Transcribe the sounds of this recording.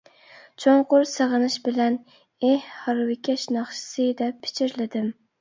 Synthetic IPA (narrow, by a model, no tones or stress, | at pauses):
t͡ʃʰoɴqʊɾsɨʁɨnɪʃbɪlæn | ehhɑɾwɪkʲʰaʃnɑχʃɪ̥sɨd̪ɛpʰːɪ̥t͡ʃʰɪɾlɪd̪ɪm